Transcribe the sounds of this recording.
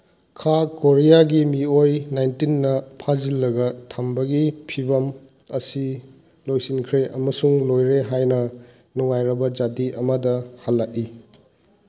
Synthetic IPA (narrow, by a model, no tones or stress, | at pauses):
kʰakoɾijaɡimiojnajntinːɐpʰazilːɐɡɐtʰambɐɡipʰibɐm | ɐsi | lojsinkʰɾeʔɐmɐsuŋlojɾeɦajnɐ | nuŋajɾɐbɐd͡ʒatiʔɐmɐdɐhalːaʔi